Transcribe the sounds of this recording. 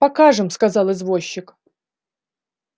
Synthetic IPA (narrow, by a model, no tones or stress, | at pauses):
pɐkaʐɨmskazɑlˠɨzvoɕːɪk